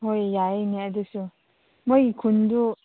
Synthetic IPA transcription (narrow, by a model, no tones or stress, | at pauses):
ɦojjaeniɐdusu | mojkʰundu